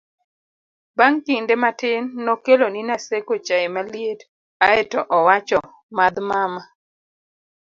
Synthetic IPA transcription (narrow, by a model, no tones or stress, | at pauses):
baŋkɪndematɪnːɔkeloninasekot͡ʃaemaliet | aɛtɔʔɔwat͡ʃɔ | mad̪mama